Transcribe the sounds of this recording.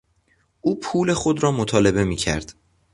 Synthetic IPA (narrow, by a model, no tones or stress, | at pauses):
ʔuːpʰuːle̞xo̞d̪ɾɒːmot̪ʰɒːle̞βe̞miːcʰæ̰ɾd̪̥